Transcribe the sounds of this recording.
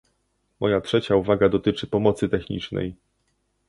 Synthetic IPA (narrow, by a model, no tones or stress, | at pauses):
mɔjatʂɛt͡ɕauvaɡad̪ɔt̪ɘt͡ʂɘpɔmɔt̪sɘt̪ɛxɲḭt͡ʂnɛ̰j